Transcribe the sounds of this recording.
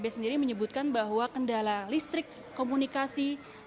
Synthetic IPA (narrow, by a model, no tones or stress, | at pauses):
bɛsəndiɾiməɲəbut̪̚kanbaɦwakəndalalist̪ɾɪkːomunikasi